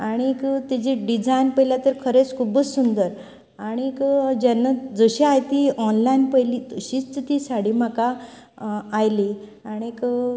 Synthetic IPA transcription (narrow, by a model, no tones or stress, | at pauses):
aɽ̃ikt̪id͡ʑiɖid͡zajnpəjljat̪əɾkʰəɾet͡skʰubəd͡zsund̪əɾ | aɽ̃ikd͡ʑanːad͡zəɕiajt̪iɔnlainpəjlit̪əɕiːt͡st͡sət̪isaɽim̤akaː | jli | aɽ̃ik